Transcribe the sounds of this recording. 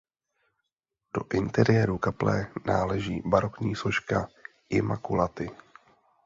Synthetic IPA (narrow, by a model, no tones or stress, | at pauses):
d̥o̞̰ʔɪnt̪ɛɾɪjɛɾukaplɛːnaːlɛʒiːbaɾo̞kɲiːso̞ʃka | ʔɪmakulat̪ɪ